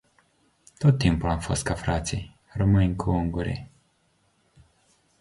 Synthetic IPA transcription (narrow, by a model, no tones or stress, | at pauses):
t̪o̞t̪ːimpulamfo̞st̪̚kafɾat̪sij | rəmɨnʲkʰuuŋɡuɾʲḛ